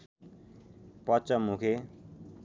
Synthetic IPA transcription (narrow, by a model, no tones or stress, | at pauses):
pʌt͡ʃʌmukʰe